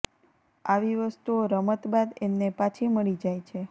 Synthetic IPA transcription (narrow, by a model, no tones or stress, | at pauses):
aʋiʋəst̪uoɾəmət̪bad̪emnepat͡ʃʰiməɭid͡ʒajt͡ʃʰe